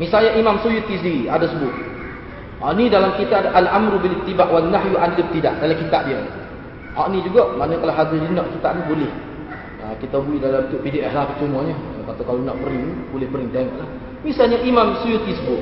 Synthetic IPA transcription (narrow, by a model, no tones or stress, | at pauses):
misalɲaʔimamsujut̪isiadasəbʊt̪̚ | hɔ̰ʔnidalamkit̪aʔalʔamɾubilɪt̪ːibaʔwanːaɦjuʔanilɪb̚t̪idaʔdalakit̪aʔdiə | hɔʔnid͡ʒuɡɔʔmanəkalaɦad̪idinɔʔkit̪aʔnibolɪh | əkit̪abuiʔdalamt̪uʔpidiʔɛhlahpət͡ʃumaɲəkat̪awkalonɔʔbəɾɪŋb̥olɪhbəɾɪŋd̪aŋɔʔlah | misalɲaʔimamsujut̪isəbʊt̪